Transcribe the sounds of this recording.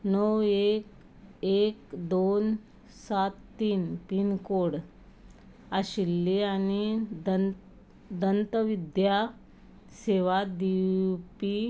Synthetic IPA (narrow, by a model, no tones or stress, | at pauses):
nəwek | ekd̪on | sat̪ːiːnpinkoɽ | aɕilːeani | d̪ənt̪əʋid̪ja | seʋad̪ipi